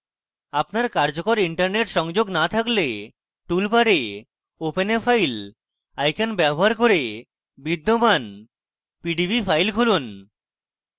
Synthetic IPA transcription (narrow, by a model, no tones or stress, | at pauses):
apnaɾkaɾd͡ʑokoɾiɳʈaɾneʈʃɔŋd͡ʑoɡnat̪ʰakle | ʈulpaɾe | openefʰajl | ajkanbɛboɦaɾkoɾe | bid̪ːoman | piɖibifʰajlkʰulun